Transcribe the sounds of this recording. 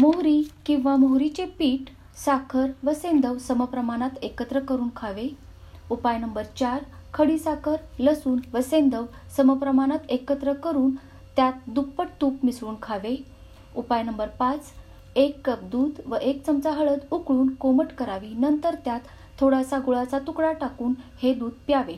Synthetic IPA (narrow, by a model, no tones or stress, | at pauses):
moɦɾikĩw̃ʋamoɦɾit͡ɕepiːʈ | sakʰəɾʋəsẽnd̪əʋsəməpɾəmaɽ̃at̪ekət̪ɾəkəɾuːnkʰaʋe | upajnəmbəɾt͡ɕaɾkʰəɽisakʰəɾləsuːnʋəsend̪əʋsəməpɾəmaɽ̃at̪ekət̪ɾəkəɾuːn | t̪jat̪̚d̪upːəʈ̚t̪uːpmisʋuːnkʰaʋe | upajnəmbəɾpat͡s | ekːəp̚d̪uːd̪ʋəʔek̚t͡səmt͡saɦəɭəd̪ukɭuːnkoməʈkəɾaʋinənt̪əɾt̪jat̪ʰː | oɽasaɡuɭat͡sat̪ukɽaʈakuːnhed̪uːd̪̚pjaʋe